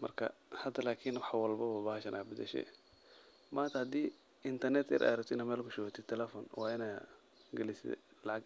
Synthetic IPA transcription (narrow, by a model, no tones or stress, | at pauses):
mɐrkʰɐ̰ | hɐd̪ɐlaːkʰinwɑħwɑlbɐwabaːhʃɐnʔa̰ːbɪd̪ɛ̰ʃɛ̰ | maːnt̪ʰɐhɐd̪iː | ɪnt̪ʰɐrnɛt̪ɛ̰ɾʔa̰ːɾɛkt̪ɪnɐmɛːlkʰʊʃɔat̪ʰɪt̪ʰɛlɛfɔːnwɑːɪnaː | ɡɛlɪsd̪ɛ̰lɑʕɑɡ